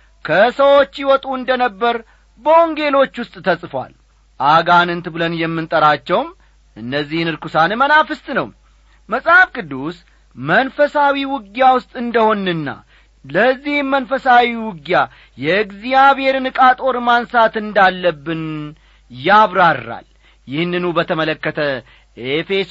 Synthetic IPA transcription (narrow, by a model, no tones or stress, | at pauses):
kʰəsəwo̞t͡ʃːjɪwɔt̪ʼuɨnd̪ənəbːəɾ | bəoŋɡe̞lo̞t͡ʃːwʊst̪ʼt̪ʰəsʼfwa̰l | ʔaɡanɨnt̪ʰɨbɨlənjɛmːɨnt̪ʼəɾat͡ʃːɛwm | ʔɨnːəzːihnɨɾkusanɨmənafɨst̪ʼnəw | məsʼhafkʼɨd̪ːus | mənfəsawiwʊɡjawʊst̪ʼɨnd̪əho̞nːɨnːa̰ | ləzːihmənfəsawiwʊɡja | jɛɨɡzijaβhe̞ɾnɨkʼat̪ʼo̞ɾmansat̪ɨnd̪alːəbːɨn | jaβɾaɾːa̰l | jɪhnːɨnubət̪ʰəmələkːət̪ʰə | ʔefe̞s